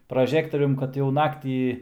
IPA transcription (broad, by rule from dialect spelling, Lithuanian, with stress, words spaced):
prɐˈʒʲæːktoːrʲʊm kɐt jɛʊ ˈnɑːktʲiː